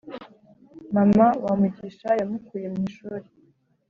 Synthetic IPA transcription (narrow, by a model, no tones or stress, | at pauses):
mamawamuɟiʃajamukuːjemɲiːʃuːɾe